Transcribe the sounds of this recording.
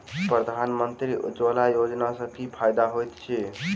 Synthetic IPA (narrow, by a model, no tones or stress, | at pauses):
pɾəd̪ʱanmənt̪ɾid͡ʒolajod͡ʒnasə̃kipʰajd̪aɦojt̪t͡ʃʰɛ